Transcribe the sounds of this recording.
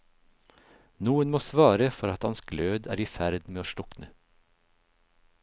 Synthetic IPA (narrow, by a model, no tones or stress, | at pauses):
nuːənmoːsʋɑːɾəfɔɾɑt̪hɑnsɡløːd̪æ̰ːɾiːfæɾd̪meːoːʃlɔknə